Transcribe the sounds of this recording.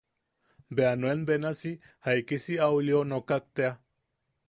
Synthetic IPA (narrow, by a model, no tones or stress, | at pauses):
beanwenbenasi | haikisiawilionokak̚t̪ea